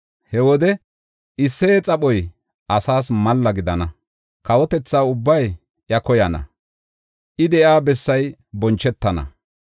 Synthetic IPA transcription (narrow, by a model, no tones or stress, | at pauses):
hɛwɔd̪ɛ | ʔɪsːeːt͡sʼɐɓɔj | ʔɐsaːsmɐlːɐɡɪd̪ɐnɐ | kɐwɔt̪ɛt͡sːaːʊbːɐj | ʔjɐkɔjɐnɐ̰ | ʔɪd̪ɛʔjaːbɛsːɐjbɔnt͡ʃːɛt̪ːɐnɐ̰